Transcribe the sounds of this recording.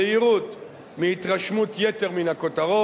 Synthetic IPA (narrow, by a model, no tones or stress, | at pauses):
eiʁut̪ | miit̪ʁaʃmut̪jet̪e̞ʁminako̞t̪aʁo